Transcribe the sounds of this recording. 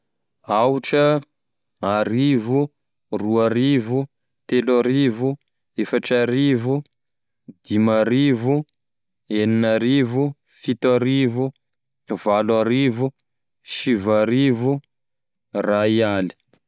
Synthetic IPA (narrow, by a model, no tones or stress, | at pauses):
awʈ͡ʂə | aɾivu | ruaɾivu | t̪elaɾivu | efaʈ͡ʂaɾivu | d̪imaɾivu | eninaɾivu | fit̪aɾivu | valwaɾivu | ʃivaɾivu | raiali̥